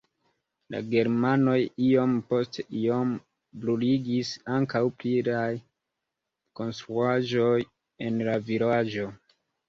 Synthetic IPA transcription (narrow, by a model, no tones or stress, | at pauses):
la̰ɡe̞ɾmano̞jio̞mpo̞steʔiom | bluliɡisaŋkawpliɾaj | ko̞nstɾuaʒo̞j | e̞nlavilad͡ʒo̞